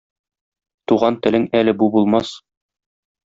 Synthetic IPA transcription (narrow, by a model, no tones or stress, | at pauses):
t̪uʁɑnt̪ɘ̆lɘŋælɘbubulˠmɑs